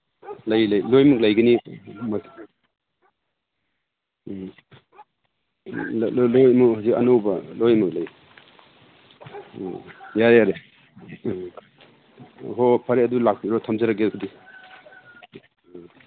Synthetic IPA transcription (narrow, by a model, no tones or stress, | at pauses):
lɐjlɐjlojmuk̚lɐjɡɐnima | llojmuɦawzikɐ̰nowbɐlojmuk̚laj | jaɾeaɾe | ɦɔpʰɐɾeɐdulak̚biɾɔtʰɐmzɐɾaɡekʰudi